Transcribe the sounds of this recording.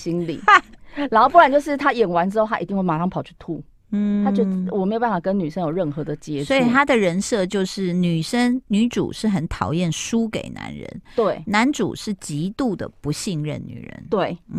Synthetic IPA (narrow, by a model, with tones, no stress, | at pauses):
ɕi˧˥nlḭ˨˩la˧˥nxo˥˧pu˥˩a˨˩nt͡ɕjo˥˧ʊʂɻ̩˥˩t̪ʰa˥jɛ˨˩nwa˧˥nʈ͡ʂɻ̩˥xo˥˧ʊt̪ʰa˥i˨˧t̪i˥˧ŋwe˥˩ma˨˧˩ʂɑ˥˧ŋpʰɑ˨˩ʊt͡ɕʰy̥˥˩t̪ʰu˥˩ | n̩˥˩t̪ʰa˥t͡ɕt͡ɕjo˧wɔ˨˩me˧˥jpa˥˩fkə˦nny˨˩ʂə˦ŋjo˨˩ʊɻə˥˩nxɤ˨˧˦d̪ə˨t͡ɕjɛ˥swɔ˧˥ii˨˩t̪ʰa˥d̪ə˨ɻə˧˥nʂɤ˥˧t͡ɕjo˥˧ʊʂɻ̩˥˩ny˨˩ʂə˥ŋny˧˥ʈ͡ʂṵ˨˩ʂɻ̩˥˩xə˨˩nt̪ʰɑ˨˩ʊjɛ˥˨nʂu˥kḛ˨˩ɪna̰˧˥˦nɻə̰˧˦nt̪we˥˩ɪna˧˥nʈ͡ʂṵ˨˩ʂɻ̩˥˩t͡ɕi˧˥t̪u˥˩d̪ə̰˩pu˧˦ɕi˥˧ŋɻə̰˥˨˩nny̰˨˩ɻə̰˧˦nt̪we˥˩ɪ˥˩